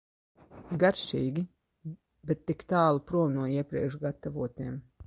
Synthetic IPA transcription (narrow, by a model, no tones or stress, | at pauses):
ɡaɾʃiːɡʲi | bɛt̪ːikt̪aːlˠupɾuɔwnuɔiɛpɾḭɛkʃɡat̪avuɔt̪iɛm